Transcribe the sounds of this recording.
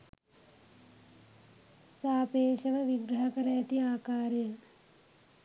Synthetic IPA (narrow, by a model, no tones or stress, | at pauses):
saːpeːʃɐʋəʋiɡɾɐɦɐkɐɾɐjat̪iaːkaːɾjə